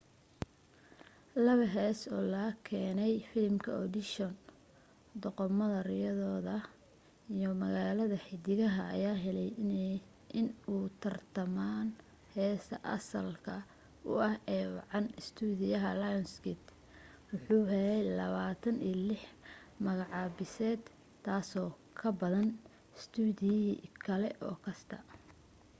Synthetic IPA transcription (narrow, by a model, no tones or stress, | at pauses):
lɐβɐɦɛːsɔːlɐkʰɛːnɛjfɪlmkʰɐ̰ɔd̪ɪʃɔn | d̪ɔqɔmɐðɐɾɪjɐðɔːðɐ | ijɔmɐɣaːlɐðɐħɪd̪ɪɣɐɦɐ̰ɐ̰jaːɦɛlɛj | ʔɪnuːt̪ʰɐrt̪ʰɐmaːn | hɛːsɐ̰ʔɐ̰sɐlkʰɐ | ʊ̰ʔɐhɛːwɑ̰ʕɑnɪst̪ʰuːðɪjɐɦɐlajɔnskɪt̪ | wʊħuːɦɛlɛjlɐβaːt̪ʰɐniːlɪħ | mɐɣɑʕɑːbɪsɛːd̪ | t̪ʰːaːsɔː | kʰɐbɐðɐn | st̪ʰuːdɪjkʰɐlɛʔɔ̰ːkʰɐst̪ʰɐ̰